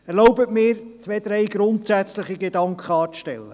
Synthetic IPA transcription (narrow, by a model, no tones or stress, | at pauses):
ɛɾlɔʊbətmɪːɾt͡sʋed̪ɾɛjɡɾʊntsæt͡sləχiɡedɑŋkχəɑːt͡sʃtɛlːə